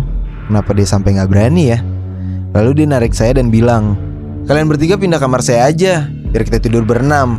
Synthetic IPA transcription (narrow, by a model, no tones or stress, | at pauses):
kənapadiasampajŋɡaʔbəɾanija | laludianaɾɪk̚sajadanbilaŋ | kalianbərt̪iɡapindakamarsajaːd͡ʒa | jarkit̪at̪idʊrbəɾənam